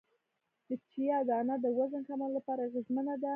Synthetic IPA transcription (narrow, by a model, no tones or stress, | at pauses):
d̪̥ət͡ʃijɑd̪ɑːnad̪əwazənxamalːapɑɾaɣəzmənad̪a